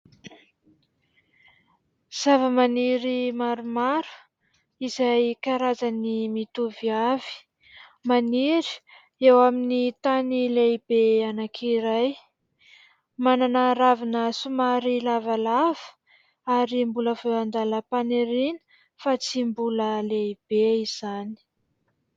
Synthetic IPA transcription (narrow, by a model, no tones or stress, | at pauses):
z̥avəmaniɾimaɾumaɾu̥ | izajkaɾazanimit̪uviavi̥ | maniɾi̥ | ewaminit̪anilejbeanakʰiɾaj | mananaɾavinəsumaɾilavalav̥ə̥ | aɾimbuləvewand̪aləpaneɾinə̥ | fat͡simbuləleib̥eiz̥ani̥